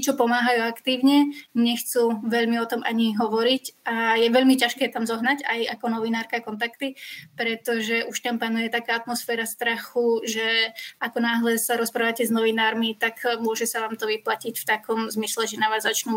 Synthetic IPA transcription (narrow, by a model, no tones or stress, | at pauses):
t͡ʃɔpɔmaːɦajuakt̪iːʊɲɛɲɛxt͡suʋɛʎmiɔt̪ɔma̰ɲiɦɔʋɔɾicajɛʋɛʎmicaʃkɛːt̪amzɔɦnaɟajakɔnɔʋinaːɾkaːkɔnt̪akt̪ipɾɛt̪ɔʒɛʔuʃt̪ampanujɛt̪akaːat̪mɔsfɛːɾast̪ɾaxuʒɛʔakɔnaːɦlɛsaɾɔspɾaːʋacɛznɔʋinaːɾmit̪akmʊɔʒɛsaʋaːmt̪ɔʋiplacicft̪akɔmzmislɛʒɛnaʋaːzːat͡ʃnu